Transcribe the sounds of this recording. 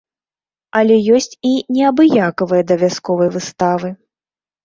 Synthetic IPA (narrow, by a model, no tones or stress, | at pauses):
ɐlʲɛjɔsʲt͡sʲinʲɛabɨjakɐvɨjɐd̪ɐvʲaskɔvɐjvɨst̪avɨ